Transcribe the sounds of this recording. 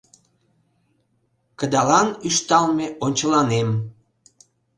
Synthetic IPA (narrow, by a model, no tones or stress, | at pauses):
kəd̪ɑlɑnyʃt̪ɑlmeʔonʲt͡ɕəlɑnem